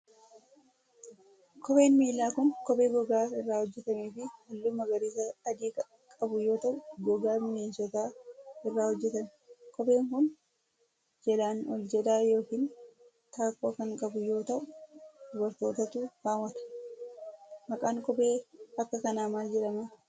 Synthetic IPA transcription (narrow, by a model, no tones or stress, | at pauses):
kʰɔbe̞ːnmiːlːaːkʊnkɔbe̞ːɡɔɡaːɪrːaːhɔd͡ʒːɛt̪ɐmeːfɪhɐlːuːmɐɡɐɾiːsɐːd̪iːk | kʼɐbʊjo̞ːt̪ɐʔʊɡɔɡaːmɪneːnsɔt̪aːɪrːaːhɔd͡ʒːɛt̪ɐmɛ | kɔbe̞ːŋkʊn | d͡ʒɛlaːnɔld͡ʒɛᶑ̪aːjo̞ːkiːn | t̪aːkːoːkɐŋkʼɐbʊjo̞ːt̪ɐʔʊd̪ʊbɐɾt̪o̞ːt̪ɐt̪uːkaːwːɐt̪ɐ̥ | mɐkʼaːŋkɔbe̞ːɐkːɐkɐnaːmaːld͡ʒɛᶑɐma